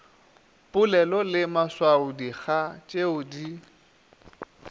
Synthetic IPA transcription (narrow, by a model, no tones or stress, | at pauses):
pʼʊlɛlɔlɪmaswaʊdiɣat͡ʃʼeʊdi